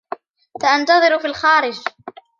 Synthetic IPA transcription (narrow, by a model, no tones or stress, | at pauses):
faʔant̪ɑðˤɨɾfiːlxaːɾɪd͡ʒ